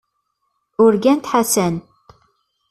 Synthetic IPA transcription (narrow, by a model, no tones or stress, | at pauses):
ʊɾɡænt̪ħasən